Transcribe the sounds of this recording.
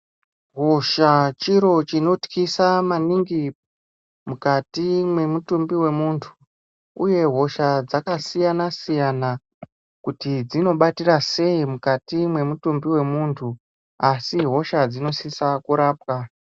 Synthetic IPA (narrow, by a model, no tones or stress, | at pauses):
ɦo̞ʃat͡ʃiɾo̞t͡ʃino̞tkisamaniŋɡi | mukatimwe̞mutumbiwe̞muːntʰu̥ | uje̞ɦo̞ʃad͡zakasijanasijana | kutid͡zino̞ɓatirase̞imukatimwe̞mutumbiwe̞muːntʰu | asiɦo̞ʃad͡zino̞sisakuɾaːpwa